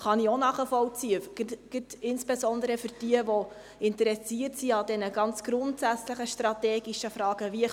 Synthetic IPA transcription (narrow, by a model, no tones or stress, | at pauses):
χɑnionɑːχəfɔwt͡siəɡ̥ɪtɪnsb̥ezɔnd̪əɾəfʏrd̥iəvo | ɪntəɾɛsiərtsiɑdɛnəɡɑnt͡sɡ̥ɾʊntsæt͡sləχəʃtɾɑteːɡiʃəfrɑːɡ̥əviə